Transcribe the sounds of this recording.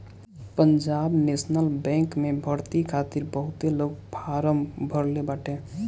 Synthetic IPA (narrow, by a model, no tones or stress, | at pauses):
pənd͡ʒabnesnəlbɛ̃kmebʱəɾt̪ikʰat̪iɾbəɦut̪eloɡpʰaɾəmbʱəɾlebaʈe